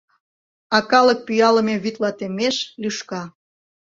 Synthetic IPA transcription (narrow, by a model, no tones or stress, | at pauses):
ɑkɑlək̚pyjɑlə̆meβyt̪lɑt̪emeʃlyʃkɑ